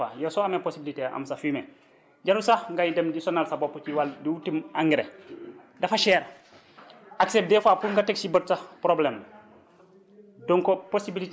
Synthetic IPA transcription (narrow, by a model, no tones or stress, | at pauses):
ajɛsɔameposibiliteʔa̰msafimɛ | ɟaɾusaŋɡajidemdisɔnalsabopːut͡ʃiwaldiwutimaŋɡiɾḛ | dɐfaʃɛːɾ | aksep̚dɛfapuŋɡatɛksibət̚sapɾoblem | dɔŋkɔposibilit